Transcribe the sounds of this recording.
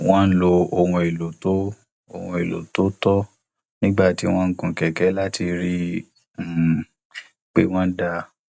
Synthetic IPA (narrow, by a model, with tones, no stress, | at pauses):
w̃ɔ̃˦n̩˦lo˧o˧wũ˧e˨lo˨to˦ | o̰˨hũ˧˨e˨lo̰˨to˦tɔ˦ | nĩ˦ɡ͡ba˦˨ti˦w̃ɔ̃˦ŋ̩˦kũ˧˨kɛ˨kɛ˨˦la˦ti˧ɾi˦˨ | k͡pe˦w̃ɔ̃˦da˧